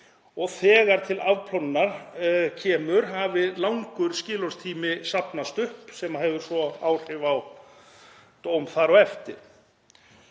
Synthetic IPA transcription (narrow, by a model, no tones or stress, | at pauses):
ɔɣθɛːɣaɾ̥t̪ʰɪlavpʰlɔnnaɾcʰɛːmʏɾɦavɪlawŋkʏɾ̥scɪːlɔrst̪ʰiːmɪsapnast̪ʏhpsɛmaɦɛvʏɾ̥svɔaːwr̥ɪvaw | t̪owmθaɾɔɣɛft̪ɪ̰ɾ̥